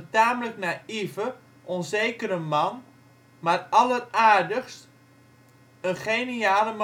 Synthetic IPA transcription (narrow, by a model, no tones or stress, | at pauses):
taːmələknaivə | ʔɔnzeːkəɾəmɑn | marɑləraːrdəxst | ənχeniaːləm